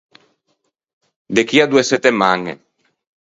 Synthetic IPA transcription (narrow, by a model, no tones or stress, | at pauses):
d̪ekiad̪ueset̪emaŋḛ